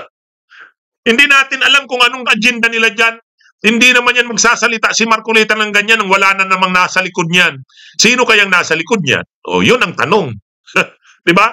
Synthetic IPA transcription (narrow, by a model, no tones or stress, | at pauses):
hɪnd̪ɪnaːt̪ɪnʔɐlamkʊŋɐnoŋɐd͡ʒɛnd̪ɐnɪlad͡ʒan | hɪnd̪inɐmanjanmɐɡ̚saːsɐlɪt̪aʔsɪmaɾkʊlɛt̪ɐŋnɐŋɡɐɲːanːɐŋwɐlanɐnɐmaŋnaːsɐlɪkod̪̚ɲan | siːnokɐjaŋnaːsɐlɪkod̪̚ɲa̰nʔo̰jonɐŋt̪ɐnoŋ | d̪ɪba